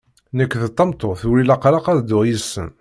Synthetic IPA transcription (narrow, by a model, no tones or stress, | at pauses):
nækːθət̪ˤːɑmt̪ˤːoθuɾilɑqɾɑqæðd̪ʊʁjisːə̰n